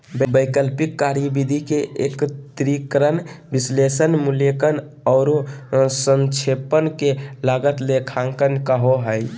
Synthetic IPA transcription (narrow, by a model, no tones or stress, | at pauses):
bəbəjkəlpikːaɾjibid̪ʱikeʔekt̪ɾikɾənbislesənmulekən | ɔʊɾosənt͡ʃʰepənkelaɡət̪lekʰãŋkənkəɦoɦəj